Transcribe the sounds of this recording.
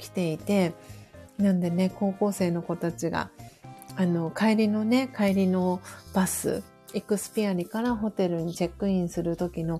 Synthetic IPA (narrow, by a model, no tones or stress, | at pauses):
kʲi̥t̪e̞it̪e̞ | nãnd̪e̞ne̞ko̞ːko̞ːse̞ːno̞ko̞t̪at͡ɕiɡa̰ | ano̞kaiɾʲino̞ne̞kaiɾʲino̞b̥asɨ̰ | ikɯ̟sɨ̥pʲiaɾʲikaɾaɦo̞t̪e̞ɾɯ̟ɲ̟it͡ɕekːɯ̟ĩɰ̃sɨɾɯ̟t̪o̞kʲino̞